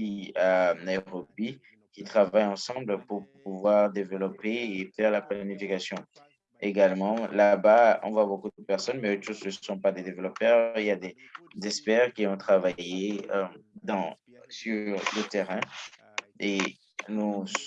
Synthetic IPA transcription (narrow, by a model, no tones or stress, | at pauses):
ianajʁɔbi | kʲit̪χavajɑ̃sɑ̃bləpuʁpuvwaʁd̪evəlɔpeːfɛʁlaplanifikasjɔ̃ | eɡalmɑ̃labaɔ̰̃vwabokud̪pɛʁsɔnmɛot̪ʃosnəsɔ̃pad̪ed̪evəlɔpœʁiljad̪e | zɛspɛʁkʲiɔ̃t̪χavajeød̪ɑ̃ | syʁlət̪eʁɛ̃ | e | nu